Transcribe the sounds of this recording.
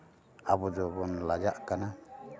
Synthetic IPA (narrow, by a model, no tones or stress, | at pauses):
abɔd͡ʒɔbɔnlad͡ʒaʔkana